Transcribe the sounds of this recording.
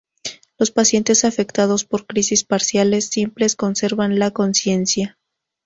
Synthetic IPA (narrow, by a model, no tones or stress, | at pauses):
lo̞spasje̞nt̪e̞safe̞kt̪aðo̞spo̞ɾkɾisispaɾsjale̞sːimple̞sko̞nse̞ɾβanlako̞nsje̞nsja